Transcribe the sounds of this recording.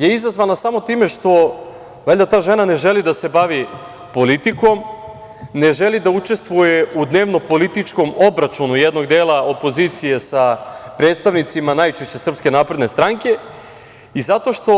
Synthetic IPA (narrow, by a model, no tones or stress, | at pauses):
je̞izazʋanasamo̞t̪iːme̞ʃt̪o̞ | ʋelʲd̪at̪aːʒe̞nane̞ʒe̞lid̪ase̞baʋi | po̞lit̪iko̞m | ne̞ʒe̞lid̪aut͡ʃe̞st̪ʋuje̞ud̪ne̞ːʋno̞po̞lit̪it͡ʃko̞mo̞bɾat͡ʃunujed̪no̞ɡd̪eːlˠao̞po̞ziːt̪sije̞sapɾet̪st̪aʋnit̪simanajt͡ʃeʃt͡ɕe̞sr̩pske̞naːpɾe̞d̪ne̞st̪ɾaŋke̞ | izat̪o̞ʃt̪o̞